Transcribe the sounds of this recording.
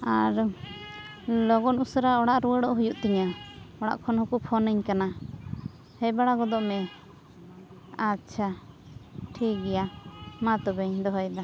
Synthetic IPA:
aɾ | lɔɡɔnusɾaɔɽaʔɾuwəɽɔʔɦujuʔt̪ɛɲaɔɽa̰ʔkʰɔnɦukupʰɔnəɲkana | hɛbaɽaɡɔd̪ɔʔmɛ | atːt͡ʃʰa | ʈʰiɡɛjamat̪ɔbɛɲd̪ɔɦɔjd̪a

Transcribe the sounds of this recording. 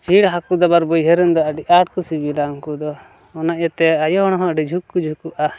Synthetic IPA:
t͡ʃʰiɽɦakud̪ɔbaɾbɔjɦɛɾɛnd̪ɔaɖiʔaʈ̚kusibilaŋkud̪ɔː | naʔjat̪ɛajɔɦɔɽ̃ɔɦɔ̃aɖid͡ʒʱukːud͡ʒʱukuʔa

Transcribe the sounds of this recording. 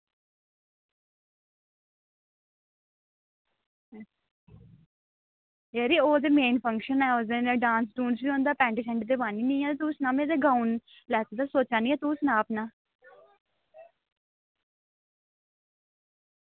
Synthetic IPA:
eɾioːd̪eːmeːnfʰə̃ŋkʃənɛːoːd̪eneɖãːnsʈũːnsbiːɦõːnd̪aːpɛ̃ːɳʈɪsɛ̃ɳʈd̪eːbaːniːnĩːɛːd̪t̪uːsnãːmeːd̪eːɡaːun | lɛːt̪d̪aːsoːt͡ʃaːnĩɛːt̪uːsnaːpnãː

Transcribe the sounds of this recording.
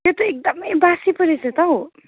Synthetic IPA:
jot̪oek̚d̪ʌmbasipʌɾisʌt̪ʌɦo

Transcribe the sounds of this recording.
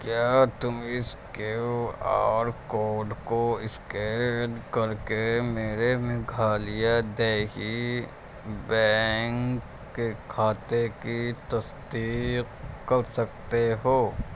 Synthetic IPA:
kjaːt̪ʊmɪskea̰ːɾkoːɖkoɪskeːʈkɐɾkemeːɾemẽɡʱaːlijad̪eːɦi | bɛŋkː | ekʰaːt̪ekit̪ɐsd̪iːqkɐɾsɐk̚t̪eɦoː

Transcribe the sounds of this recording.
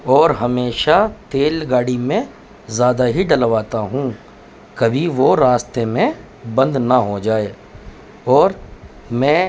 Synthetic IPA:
ɔːɾɦɐmeːʃat̪eːlɡaːɽimẽ | zjaːd̪aɦiɖɐlʋaːt̪aɦũ | kɐbʱiʋoɾaːst̪emẽ | bɐ̃nd̪naɦod͡ʒaːeː | ɔːɾ | mɛ̃ː

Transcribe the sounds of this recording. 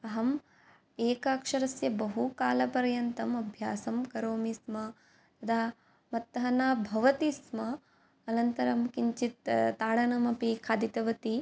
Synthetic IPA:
ɐɦɐm | eːkaːkʂɐɾɐsjɐbɐɦukaːlɐpɐɾjɐnt̪ɐmɐbʱjaːsɐmkɐɾoːmismɐ | t̪ɐd̪ʰaː | mɐt̪ːɐɦɐnaːbʱɐʋɐt̪ismɐː | nɐnt̪ɐɾɐmkiɲt͡ʃit̪t̪ːaːɽɐnɐmɐpikʰaːd̪it̪ɐʋɐt̪i

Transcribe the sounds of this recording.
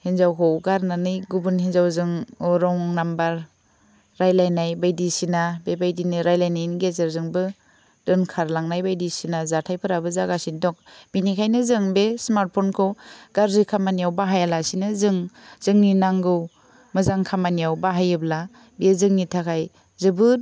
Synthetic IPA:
henzawkʰɔwɡaɾnanɯjɡubunhinzawzɯŋɔɾɔŋnambaɾː | ajlajnajbajdisinabebajdinɯɾajlajnajnɡezeɾzɯŋbɯ | d̥ɯnkʰaɾlaŋnajbajdisinazatʰajpʰɯɾabɯzaɡasindɔk̚binikʰajnɯzɯŋbesmaɾt̚pʰɔnkʰɯwɡaɾzikʰamanijawbaɦajalasinɯzɯŋz̥ɯŋninaŋɡɯw | mɯzaŋkʰamanijawbaɦajɯbla | bizɯŋnitʰakʰaj | zɯbɯ

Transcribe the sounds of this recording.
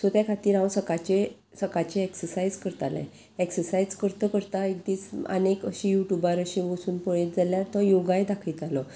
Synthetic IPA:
sət̪jakʰat̪iːɾɦãwsəkat͡ɕe | səkat͡ɕeeksəɾsaid͡zkəɾt̪a̰lḛ̃ | eksəɾsaid͡zkəɾt̪əkəɾt̪aekd̪iːt͡sə̰nekə̰ɕijuʈjubaɾəɕiʋəsuːnpɔɭet̪d͡zaljat̪ɔjoɡajd̪akʰilt̪alɔ

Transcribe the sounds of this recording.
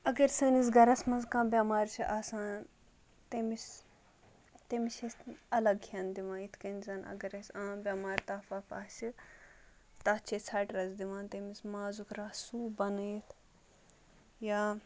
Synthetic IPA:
ɐɡɐɾsəːnisɡɐɾɐsmɐnzkãːbʲaːmaːɾt͡ʃʰiʔaːsãːn | t̪emis | t̪emiʃesɐlɐɡhʰʲɐnd̪iʋãːit̪ʰkɐnzɐnɐ̰ɡɐɾɐsãːbʲaːmaːɾt̪aːfaːfaːt͡ʃi | t̪ɐːt͡ʃʰet͡sʰɐːʈɾɐzd̪iʋãːnt̪emismaːzukɾaːsuːbɐnɨjt̪ʰ | jaː

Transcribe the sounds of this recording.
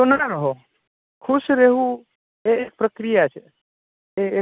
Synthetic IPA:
t̪onaɾəɦo | kʰuʃɾeɦũ | eek̚pɾəkɾijat͡ʃʰe | ee

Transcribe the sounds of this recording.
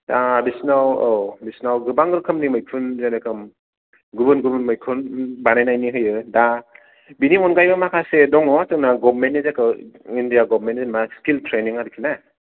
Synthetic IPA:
dabisnawobisnawɡɯbaŋɡɯɾɯkʰɯmnimɯjkʰunzajnɯkʰɯm | ɡubɯnɡubɯnmɯjkʰunbanajnajniɦɯjɯda | binimɔnɡajbamakʰasedɔŋɔtɯŋnaɡɔbmentːizakʰɯindijaɡɔbmentzemaskiltʰɾeniŋaɾikʰina

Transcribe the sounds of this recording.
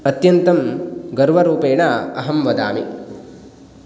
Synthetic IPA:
ɐt̪jɐnt̪ɐmɡɐɾʋɐɾuːpeːɳɐɐɦɐmʋɐd̪a̰ːmi

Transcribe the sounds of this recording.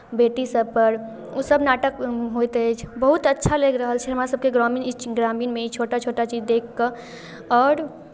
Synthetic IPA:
beːʈisəb̚pəɾ | osəbnaːʈəkɦojt̪et͡ʃʰbəɦut̪ətːʃʰaleɡɾəɦəlt͡ʃʰɛɦəmaɾesəb̚keɡɾɔmiːnɡɾaːmiːnmẽit͡ʃʰoːʈat͡ʃʰoːʈat͡ʃiːd͡ʒd̪eːkʰːə | ɔːɾ

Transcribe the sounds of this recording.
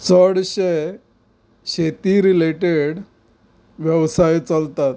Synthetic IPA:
t͡səɽɕe | ɕet̪iɾileʈeɽ | ʋjəʋsajt͡səlt̪at̪̚

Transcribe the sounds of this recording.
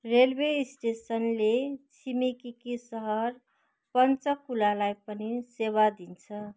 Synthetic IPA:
ɾelbesʈesənlet͡ʃʰimikikisəɦʌɾ | pʌnt͡ʃəkːulalajpəniseβad̪int͡sʰʌ

